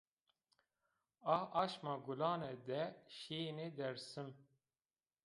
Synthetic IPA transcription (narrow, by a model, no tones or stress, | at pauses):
ɑʔɑːʃmɑɡulɑːnɛd̪ɛʃeːned̪ɛɾsɨm